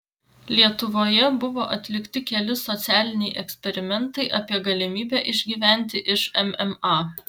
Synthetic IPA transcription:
lʲiɛt̪ʊʋoːjɛbʊʋoːʔɐt̪ʲlʲɪkt̪ʲɪkʲɛlʲɪsɔt̪sʲæːlʲɪnʲɛɪʔɛksʲpʲɛɾʲɪmʲɛnt̪ɐɪʔɐpʲiɛɡɐlʲɪmʲiːbʲæʔɪʒʲɡʲiːʋʲæˑnʲt̪ʲɪʔɪʃɛmɛmɑ

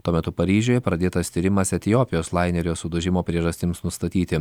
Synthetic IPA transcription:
t̪uɔmʲɛt̪ʊpɐɾʲiːʒʲoːjɛpɾɐd̪ʲeːt̪ɐst̪ʲiɾʲɪmɐsɛt̪ʲɪjoːpʲɪjoːslˠɑɪnʲɛɾʲoːsʊd̪ʊʒʲɪmoːpʲɾʲiɛʒɐsʲt̪ʲɪmsnʊst̪ɐt̪ʲiːt̪ʲɪ

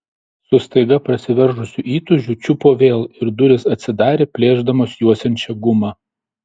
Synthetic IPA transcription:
sʊst̪ɐɪɡɐpɾɐsʲɪʋʲɛɾʒʊsʲuʔiːt̪ʊʒʲuːt͡ʃʲʊpoːʋʲeːlˠɪɾd̪ʊɾʲɪsɐt̪ʲsʲɪd̪ɑːɾʲeːpʲlʲeːʒd̪ɐmoːsjuɔsʲɛnʲt͡ʃʲɛɡʊmɑː

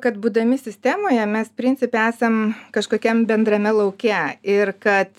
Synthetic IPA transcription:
kɐt̪buːd̪ɐmʲɪsʲɪsʲt̪ʲæmoːjɛmʲɛspʲɾʲɪnʲt͡sʲɪpʲɪæːsɐmkɐʃkoːkʲɛmbʲɛnd̪ɾɐmʲɛlˠɐʊkʲɛɪrkɐt̪

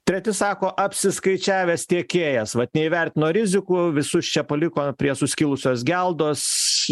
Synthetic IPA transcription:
t̪ʲɾʲɛt̪ʲɪsɑːkoːʔɐpʲsʲɪskɐɪt͡ʃʲæːʋʲest̪ʲeɛkʲeːjɛsʋɐt̪nʲɛɪʋʲɛɾʲt̪ʲɪnoːɾʲɪzʲɪkʊʋʲɪsʊst͡ʃʲɛpɐlʲɪkoːpʲɾʲiɛsʊsʲkʲɪlˠʊsʲoːsɡʲɛlˠd̪oːs

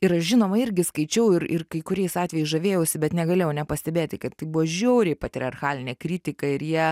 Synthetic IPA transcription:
ɪɾɐʃʒʲɪnoːmɐɪɾʲɡʲɪskɐɪt͡ʃʲɛʊɪɾɪ̰rkɐɪkʊɾʲɛɪsɑːt̪ʲʋʲɛːjɛɪsʒɐʋʲeːjɛʊsʲɪbʲɛt̪nʲɛɡɐlʲeːjɛʊnʲɛpɐsʲt̪ʲɛbʲeːt̪ʲkɐt̪tɐɪbuʋoːʒʲɛʊɾʲeɪpɐt̪ʲɾʲɪɐrxɑːlʲɪnʲeːkɾʲiːt̪ʲɪkɐɪɾjiɛ

